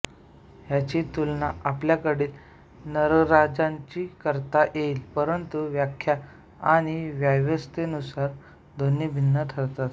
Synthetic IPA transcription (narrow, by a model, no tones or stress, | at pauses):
ɦjat͡ɕit̪ulnaapljakəɽiːl | nəɾɾad͡zãɲt͡ɕiːkəɾt̪aʔjelpəɾənt̪uʋjakʰːja | aɽ̃iʋjaʋəst̪enusaɾ | d̪onibʱinːət̪ʰəɾt̪at̪